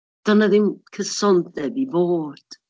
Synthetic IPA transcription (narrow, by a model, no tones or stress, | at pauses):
d̥ɔnaðɪnkʰəsɔntðɛbiboːd̥